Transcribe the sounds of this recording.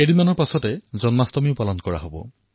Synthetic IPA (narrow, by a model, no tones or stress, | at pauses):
edimanɔɹpasɔtɛzɔnmastɔmiʊpalɔnkɔɹa̰ɦobɔ̰